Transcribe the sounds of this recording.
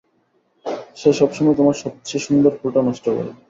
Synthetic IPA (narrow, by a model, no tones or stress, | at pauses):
ʃeʃɔbʃɔmɔet̪omaɾʃɔp̚t͡ɕeʃund̪oɾpɾuʈonɔʃʈoko̰ɾḛ